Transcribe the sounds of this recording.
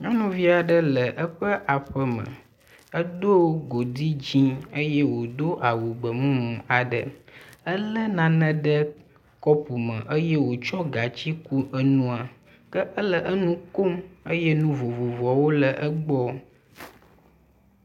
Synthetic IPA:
ɲɔ̃˦nũ˦vi˦a˨ɖə˦lə˨ʔə˦ɸə˦ʔa˨ɸə˨mə̰̃˨ | ə˦d̪o˦ɡo˨d̪i˦d͡ʑĩ˦ə˦jɛ˦wo˨d̪o˦ʔa˨wu˨ɡ͡bə˨mũ˦mũ˨a˨ɖə˨ə˦lə˦nã˨nə̃˨ɖə˦ | kɔ˦pu˨mə̰̃˨ʔə˦jɛ˦wo˨t͡ʃɔ˦ɡa˨t͡ɕi˦ku˦ʔə˦nũ˦a˨ | kə˦ʔə˦lə˨ʔə˦nũ˦ko˦mə˦jɛ˦nũ˦vo˨vo˨vɔ˨wo˦lə˨ʔə˦ɡ͡bɔ˦

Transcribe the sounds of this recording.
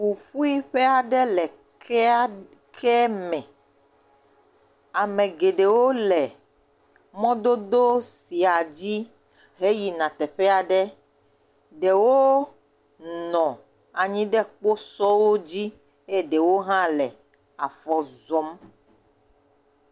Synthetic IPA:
wu˨ɸu˦i˦ɸe˦a˨ɖɛ˦lɛ˨ | ɛ˦ | kʰɛ˦mɛ̃˨ | a˨mẽ˨ɡe˨ɖe˨wo˦lɛ˨ | mɔ̃˦d̪o˦d̪o˦si˨a˨d͡ʑi˦ | ɦe˦ji˨nã˨t̪ɛ˨ɸɛ˦a˨ɖɛ˦ | ɖɛ˨wo˦ | nɔ̃˨ | a˨ɲĩ˦ɖɛ˦k͡po˦sɔ˦wo˦d͡ʑi˦ | e˦ɖe˨wo˦ɦã˦lɛ˨ | a̰˨fɔ˦zɔ˦m

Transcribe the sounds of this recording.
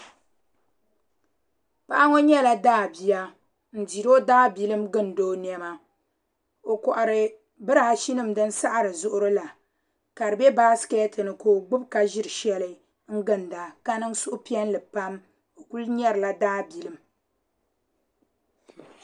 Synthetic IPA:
pa˦ʔa˦ŋo˦ɲɛ˦la˨daː˦˨bi˨˦ja˦ | n̩˨di˨ɾo˦daː˦bi˨lɨ˦mɡɨ˦ndoː˦n˦ɛ˦ma˦ | o˨kɔ˨ʔa˨ɾɨ˨ | bɨ˦ɾa˦˨a˨ʃi˦nɨ˦mdɨ˦nsa˦ʔa˨ɾɨ˨zʊ˦ʔʊ˦ɾɨ˦la˨ | ka˨ɾɨ˨bɛ˦baː˦skɛ˦tɨ˨nɨ˨ko˦ɡ͡bɨ˦bka˦ʒɪ˦ɾɨ˨ʃɛ˦lɨ˦ | ŋ̩˦ɡɨ˦˨nda˨ka˦nɨ˦ŋ˦sʊ˦ʔʊ˦pi˦ɛ˦n˦lɨ˨pa˦m | o˨ku˦lɲɛ˦ɾɨ˨la˦daː˦bi˨lɨ˦m

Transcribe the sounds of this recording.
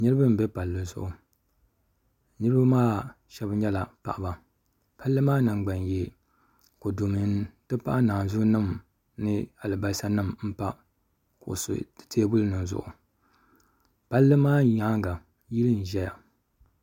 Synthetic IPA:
nɨ˦ɾɨ˦bɨ˦m̩˨bɛ˦pa˨lːɨ˨zʊ̰˨ʔʊ˨ | nɨ˦ɾɨ˦ba˦maː˦ | ʃɛ˦bɲɛ˦la˨pa˨ʔba˨ | pa˦lːɨ˦maː˦nɨ˨ŋ͡mɡ͡ba˨nje˨ | ko˨do˨mɨ˨n˦tɨ˦pa˦ʔa˦naː˨n˨zʊ˦nɨ˦m | nɨ˦a˨lɨ˨ba˨˦sa˦nɨ˦mm̩˦pa˦ | kʊ˨ʔʊ̰˨sʊ̰˨tʰeː˦bʊ˦lɨ˦nɨ˨nzʊ̰˨ʔʊ̰˨ | pa˦lːɨ˦maː˦ɲa˦ŋɡa˨ | ji˦lɨ˦n˨ʒɛ˦ja˨

